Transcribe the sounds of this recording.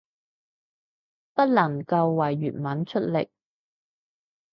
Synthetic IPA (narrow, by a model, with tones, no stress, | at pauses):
pɐ˥t̚lɐ˨˩ŋkɐ˧wːɐ˨˩jːyː˨˩t̚mɐ˨˥nt͡ʃʰɵ˥t̚lɪ̰˨k̚